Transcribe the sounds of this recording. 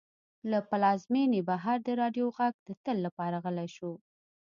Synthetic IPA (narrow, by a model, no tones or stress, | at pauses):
lapalɑzmenebaɦaɾd̪əɾɑɖjoɣaɡ̚d̪̥ət̪əlːapɑɾaɣəlajʃu